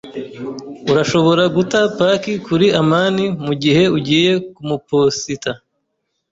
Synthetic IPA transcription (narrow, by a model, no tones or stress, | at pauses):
uɾaʃo̞βo̞ɾaɡutapakikuɾiamaːnimuɟihe̞uɟiːje̞kumuposita